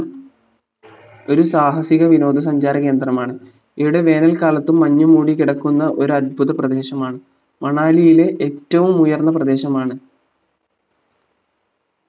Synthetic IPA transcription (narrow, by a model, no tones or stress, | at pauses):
o̞ɾusaːɦɐsiɣɐʋino̞ːd̪ʱɐs̬ɐɲd͡ʑaːɾɐke̞ːnd̪rɐmaːɳɨ | iʋiɽe̞ʋe̞ːnɐlkaːlɐt̪ːumːɐɲːumuːɽikiɽɐkːunːɐʔo̞ɾuɐd̪̚bʱuðɐprɐd̪e̞ːɕɐmaːɳɨ | mɐɳaːlijile̞ʔetːɐʋumujɐrnːɐprɐd̪e̞ːɕɐmaːɳɨ